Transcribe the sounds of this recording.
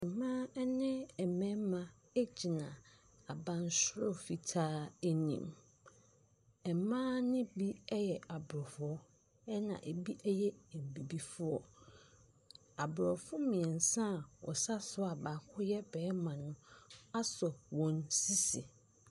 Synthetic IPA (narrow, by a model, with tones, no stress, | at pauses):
ɛ˨mãː˦ɛ˦nɪ̃˦ɛ˨mɛ̃˦mã˨ | e˦d͡ʑi˨nã˨ | a˨bã˦n˦sʊ˦ɾɔ˦˨fi˨tʰaː˦e˦nḭ̃˨m | ɛ˨mãː˦nɪ̃˦bi˦ɛ˦jɛ˨a˨bʊ˨ɾɔ˨fʊ˦ɔ˦ | ɛ˦nã̰˨ʔe˨bi˦ʔɛ˦jɛ˦˨m˨bi˨bi˦fʊ˦ɔ˨ | a˨bɾɔ˨fʊ˦mĩ˨ɛ̃˨n˨sã˦˨ɔ̰˨sa˦sʊ˦a˨ba˨˦˨kʰʊ˦jɛ˦bɛː˨˦mã˨nʊ̃˦a˦sɔ˨wɔ̃˨nsi˦si˨